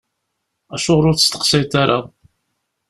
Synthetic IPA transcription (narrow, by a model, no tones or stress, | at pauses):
æʃʊʁɾʊɾt͡sːəst̪ə̥qsæjt̪aɾa